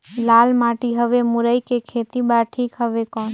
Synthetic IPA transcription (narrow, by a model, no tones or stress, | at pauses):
laːlmaʈiɦəʋemʊɾəikekʰeːt̪ibaɾʈʰiːkɦəʋekɔ̃ː